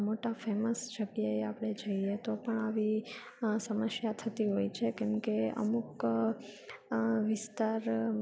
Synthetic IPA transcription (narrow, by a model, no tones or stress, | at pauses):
moʈafeməsʃəɡjəeapɳ̃ed͡ʒəiet̪opəɳaʋi | səməsjat̪ʰət̪iɦoit͡ʃʰekɛmkeə̰muk | ʋɪst̪aɾ